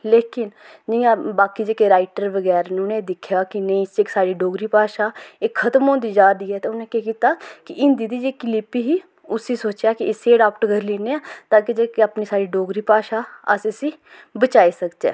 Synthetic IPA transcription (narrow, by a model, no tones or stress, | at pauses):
leːkɪn | d͡ʒɪjãːbaːkiːd͡ʒeːkeɾaːɪʈəɾʋəɡɛːɾnũːnẽːd̪ɪkʰjaːkɪnəĩt͡ʃeksaːɽiːɖoːɡɾiːpaːʃaːɪkʰːət̪əmɦõːnd̪iːd͡ʒaːd̪iːɛːt̪eːʊnẽːkɛːkiːt̪aːkɪʔɪ̃nd̪iːd̪iːd͡ʒeːkɪlɪpiːɦiː | ʊsiːsoːt͡ʃjaːkɪɪseːɖaːpʈɡəɾliːneːãːt̪ãːkid͡ʒeːkeapniːsaːɽiːɖoːɡɾiːpaːʃaːə̰sɪsĩː | bət͡ʃaːiːsəkd͡ʒ̪ɛ̰ː